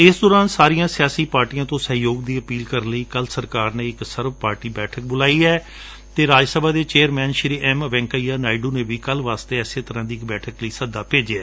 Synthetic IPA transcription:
ɪsd̪ɔːɾaːnsaːɾijãːsɪjaːsiːpaːɾʈijãːt̪õːsəɦjoːɡd̪iːəpiːlkəɾnləiːkəlsəɾkaːɾneːɪksəɾʋpaːɾʈiːbɛːʈʰək̚bʊlaːiːɛː | t̪eːɾaːd͡ʒsəbaːd̪eːt͡ʃeːəɾmɛːnʃɪɾiːʔɛːmʋɛ̃ːŋkaiːaːnaːɪɖũːneːbiːkəlʋaːst̪eːɛseːt̪əɾãːd̪iːɪkbɛːʈʰəkləiːsəd̪ːaːpeːd͡ʒeɛː

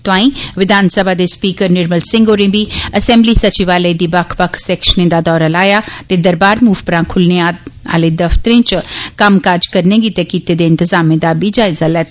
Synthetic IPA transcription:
t̪ãːĩʋɪd̪ʱaːnsəbʱad̪espiːkəɾnɪɾməlsɪ̃ŋɡoːɾẽbʱiɐsẽmblisɐt͡ʃiʋaːled̪ibakʰbəkʰsɛːkʃənẽd̪ad̪ɔːɾalaːjat̪ed̪ɐɾbaːɾmuːʋpɐɾãkʰʊlneaa̰ːled̪ɐft̪əɾẽːt͡ʃkamkaːɾd͡ʒkɐɾnẽɡit̪ekit̪ed̪eɪnt̪ɪzaːmẽd̪abʱid͡ʒaːɪzalɛːt̪

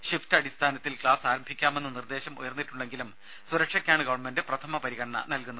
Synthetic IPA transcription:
ɕiftɐɽist̪ʰaːnɐt̪ːilkɭaːsaːɾɐmbʱikʲːaːme̞nːɨnird̪e̞ːɕɐmṵjɐrnːiʈːuɳːe̞ŋɡilum | suɾɐkʂɐkʲːaːɳɨɡɐʋɐɳme̞ndɨprɐt̪ʰɐmɐpɐɾiɣɐɽɐɳɐ̰nɐlkunːɐ

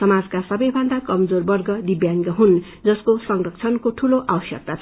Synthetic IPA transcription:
sʌmad͡zkasʌbʌjbʱʌnd̪akʌmd͡zorbʌrɡʌd̪ibjaŋɡʌɦun | d͡zʌskosʌŋrʌkt͡sʰʌnkot̪ʰuloʔawʌsjʌ̰k̚t̪at͡sʰʌ

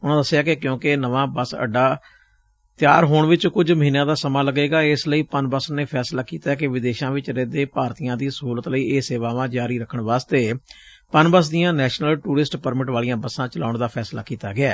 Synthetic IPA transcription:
ʊnãːd̪əsːɪjaːkekjõːkɪnəʋãːbəsə̰ɖaː | t̪jaːɾɦoːɳʋɪt͡ʃkʊd͡ʒməɦiːnãːd̪aːsəmãːləɡeːɡaːɪsləiːpənbəsneːpʰɛːslaːkiːt̪aːɛːkɪʋɪd̪eːʃãːʋɪt͡ʃɾẽːd̪eːpaːɾt̪ijãːd̪iːsəɦuːlət̪ləiːeːseːʋaːʋãːd͡ʒaːɾiːɾəkʰəɳʋaːst̪eː | pənbəs̬d̪ijãːnɛːʃnəlʈuːɾɪsʈpəɾmɪʈʋaːlijãːbəsãːt͡ʃəlaːʊɳd̪aːpʰɛːslaːkiːt̪a̰ːɡɪɛː

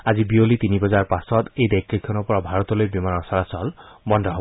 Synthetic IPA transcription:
ad͡ʒibiolit̪inibɔd͡ʒaɾɹpasɔt̪ejd̪ajkʰːikʰːɔnupɔɹɔbʱaɾɔt̪ɔlojbimanɔɾsalasɔlbɔndʱɔɦob

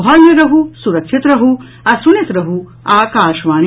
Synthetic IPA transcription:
ɦɐljɐɾɐɦusuɾɐkʃʰit̪ɾɐɦu | ɐsunɐt̪ɾɐɦu | aːkaːʃʋaːn

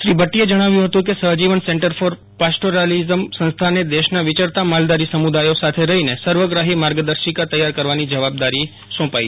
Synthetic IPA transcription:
ʃɾibəʈːied͡ʒəɽ̃aʋjũɦət̪ũkesəɦd͡ʒiʋənsẽɳʈəɾfɔɾ | pasʈoɾalizəmsə̃nst̪ʰaned̪eʃnaʋɪt͡ʃəɾt̪amald̪aɾisəmud̪ajosat̪ʰeɾəɦinesəɾʋəɡɾaɦimaɾɡəd̪əɾʃikat̪əjaɾkəɾʋanid͡ʒəʋab̚d̪aɾi | sɔ̃pai

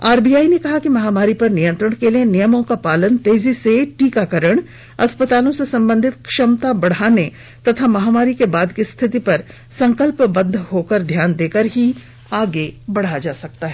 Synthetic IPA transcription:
aːɾbiːjaːinekɐɦakimɐɦaːmaːɾipɐɾnɪjə̃nt̪ɾəɽ̃kelienijəmõkapaːlənt̪eːziseʈiːkakəɾəɽ̃ | ɐspət̪aːlõsesɐ̃mbə̃nd̪ʱɪt̪kʃɐmt̪abɐɽ̤aːne | t̪ɐt̪ʰamɐɦaːmaːɾikebaːd̪kist̪ʰɪt̪̬ipɐɾ | sɐ̃ŋkəlpbɐ̃nd̪ʱɦoːkəɾd̪ʱjaːnd̪eːkəɾɦi | aːɡebɐɽ̤ad͡ʒaːsɐk̚t̪aɦɛː

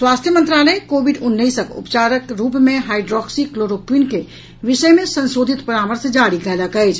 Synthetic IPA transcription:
swast̪ʰjəmə̃nt̪ɾaləjkobiɖunːəisəkṵpt͡ʃaɾəkɾupmeɦaiɖɾɔksikloɾopʰinke | ʋisəjmesənsod̪ʱit̪pəɾaməɾsd͡ʒaɽiɡɛləkəjt͡ʃʰ

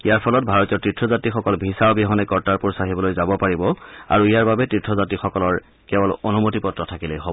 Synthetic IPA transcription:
ijaɹpʰɔlɔt̚bʱaɹɔtijɔɹtɹitʰɹɔzatixɔkɔlbʱisaɔbiɦɔnɛkɔɹtaɹpuɹsaxibɔlojzabɔpaɹibɔa̰ɹuijaɹbabɛtɹitʰɹɔzatixɔkɔlɔɹ | kɛbɔlonumotipɔtːɹɔtʰakilojɦobɔ

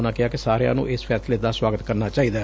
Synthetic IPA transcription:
nãːkɪaːkɪsaːɾea̰ːnṵ̃ːʔɪspʰɛːsleːd̪aːswaːɡət̪kəɾnaːt͡ʃaːiːd̪aː

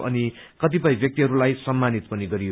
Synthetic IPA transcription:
ʔʌ̰ni | kʌt̪̬ipʌjbjʌk̚t̪iɦʌɾulajsʌmːanit̪pʌniɡʌɾijo

